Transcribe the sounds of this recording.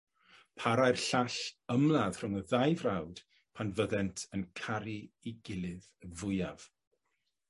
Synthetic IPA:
pʰaɾajrɬaɬəmlˠað̥r̥ʊŋəðajvrawd̥ | pʰanvəðɛntʰənkʰaɾiiɡɪlˠɨðvʊjav̥

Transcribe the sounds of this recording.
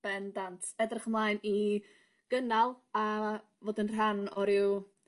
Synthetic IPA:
b̥ɛndantʰɛdrɪχmlˠaːjni | ɡ̥ənalˠa | voːdɪnr̥anɔɾɪw

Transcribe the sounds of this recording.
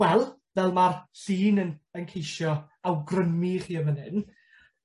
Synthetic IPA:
wɛlˠ | vɛlˠmarɬiːnənənkʰejʃjɔ | awɡrəmiχiːəvənɨ̰n

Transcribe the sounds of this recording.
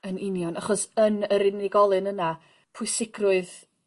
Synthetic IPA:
ənɪnjɔnaχɔsənəɾɪnɪɡɔlˠɨnəna | pʰʊɨsɪɡrʊɨð

